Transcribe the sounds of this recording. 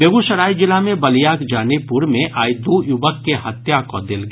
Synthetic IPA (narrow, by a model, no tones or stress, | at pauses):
beːɡuʃəɾaːid͡ʒɪlamẽbɐlijaːkd͡ʒaːnepuɾmẽʔaːjd̪ujʊʋəkːehɐt̪jakod̪ɪlɡ